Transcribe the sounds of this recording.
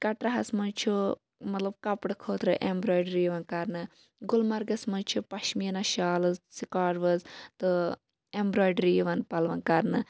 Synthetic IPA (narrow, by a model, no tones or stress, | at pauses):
kɐʈɾɐɦɐsmɐnt͡ʃʰu | mɐt̪lɐb̚kɐpɽɨkʰoːt̪ɾɨʔembɾoːjɖɾiːʋɐnkɐɾnɨ | ɡulmɐɾɡɐsmɐnt͡ʃʰupɐʃmiɐnɐʃaːlɨzsikaːɾʋɐzt̪ɨ | embɾoːjɖɾiːʋɐnpɐlʋɐnkɐɾnɨ